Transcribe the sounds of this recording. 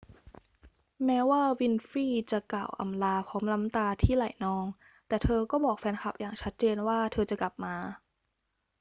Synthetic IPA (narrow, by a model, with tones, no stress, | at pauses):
mɛː˦˥waː˥˩wi˧nfiː˥˩t͡ɕa˨˩ka˨˩wʔa̰˧mlaː˧pʰɔː˦˥mla˦˥mt̪aː˧t̪ʰiː˥˩la̰˨˩˦jnɔː˧ŋ | t̪ɛː˨˩t̪ʰɤː˧kɔː˥˩bɔː˨˩k̚fɛː˧nkʰa˨˩p̚jʔaː˨˩ŋt͡ɕʰa˦˥t̪̚t͡ɕeː˧nwaː˥˩t̪ʰɤː˧t͡ɕa˨˩kla˨˩p̚maː˧